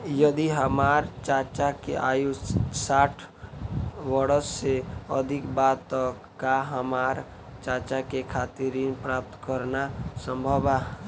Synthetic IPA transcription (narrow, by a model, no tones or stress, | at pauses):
jəd̪iɦəmaɾt͡ʃat͡ʃakḛʔajussaʈʰ | ʋəɾəsːeə̰d̪ʱikbat̪ːɔ | kaɦəmaɾ | t͡ʃat͡ʃakekʰat̪iɾinpɾap̚t̪kəɾnasəmbʱəba